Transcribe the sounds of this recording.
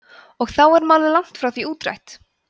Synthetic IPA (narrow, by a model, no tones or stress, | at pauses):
ɔɣθawɛɾmaːwlɪlawŋ̥t̪fɾawθviuːt̪ɾa̰jht̪